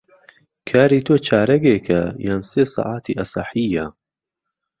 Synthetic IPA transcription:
kʰaːɾiːt̪ʰoːt͡ʃʰaːɾɐɡeːkʰɐjaːnseːsɑ̰ːʔaːt̪ʰḭːʔɐsaħijɐ

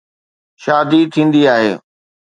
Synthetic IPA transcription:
ʃaːd̪it̪ʰĩːnd̪iaːɦḛː

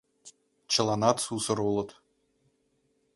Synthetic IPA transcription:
t͡ɕɤ̆lˠɑnɑt̪susɤ̆ɾulˠɤ̆t̪

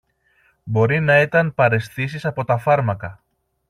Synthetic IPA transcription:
bo̞ɾinɐit̪ɐnpɐɾe̞sθis̬isɐpo̞t̪ɐfɐɾmɐkɐ

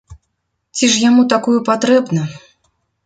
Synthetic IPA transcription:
t͡sʲiʂjamut̪akujupat̪ɾɛbnɐ

